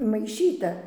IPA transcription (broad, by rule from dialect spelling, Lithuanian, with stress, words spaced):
mɐɪˈʃʲiːtɐ